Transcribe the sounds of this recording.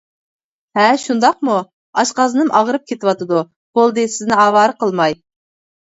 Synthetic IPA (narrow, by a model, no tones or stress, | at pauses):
ɦɛʃund̪ɑq̚mu | ɑʃqɑzɨnɨmʔɑʁəɾɨp̚kʲʰet̪ɪwɑt̪ɨd̪u | b̥olˠd̪ɨsɪznɪɑːwɑːɾəqəlˠmɑj